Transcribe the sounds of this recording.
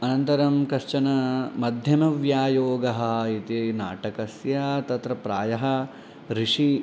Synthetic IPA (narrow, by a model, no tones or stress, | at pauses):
ɐnɐnt̪ɐɾɐmkɐʃt͡ʃɐnɐmɐd̪ʱjɐmɐʋjaːjoːɡɐɦɐit̪ina̰ːʈɐkɐsjat̪ɐt̪ɾɐpɾaːjɐɦɐ̆ | ɾiʂi